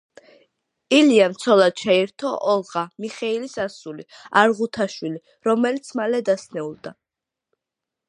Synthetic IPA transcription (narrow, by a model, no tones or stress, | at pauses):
iliamt̪sʰɔlˠad̪̥̚t͡ʃʰɛiɾt̪ʰɔʔɔlˠʁamiχɛilisasuliaɾʁut̪ʰaʃwili | ɾɔmɛlit̪sʰmalɛd̪asnɛulˠd̪a